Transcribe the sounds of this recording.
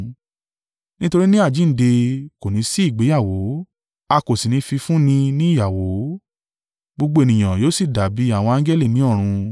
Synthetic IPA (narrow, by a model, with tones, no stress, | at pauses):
nĩ˦to˧ɾi˦nĩ˦a˦˨d͡ʒĩ˨˦n̩˦˨de˧ko˨nĩ˨˦si˦i˦˨ɡ͡be˨˦ja˦˨wo˨˦ | a˧ko˨si˨nĩ˨˦fi˧fũ˦nĩ˧nĩ˦˨ja˨wo˨˦ | ɡ͡bo˧ɡ͡bo˧e˨nĩ˨j̃ã˨joː˨˦si˦˨da˨bi˨˦a˦˨w̃ɔ̃˧ã˧˦ɡɛ˦li˦˨nĩ˨˦ɔ˦˨ɾ̃ũ˧